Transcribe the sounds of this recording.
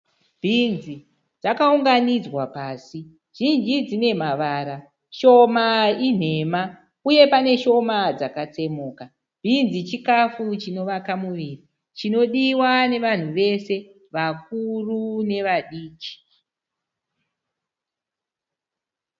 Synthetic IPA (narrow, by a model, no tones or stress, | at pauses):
bʱinzi | d͡zakauŋɡanid͡zwapaːsi | ʒ̥ind͡ʒid͡zine̞maʋaɾa | ʃo̞main̤e̞ma | uje̞pane̞ʃo̞mad͡zakat͡se̞moːka | b̥ʱinzit͡ʃikafut͡ʃino̞ʋakamuʋiːri | t͡ʃino̞ɗiwane̞ʋan̤uʋe̞se̞ | ʋak̚urune̞ʋaɗiːt͡ʃi̥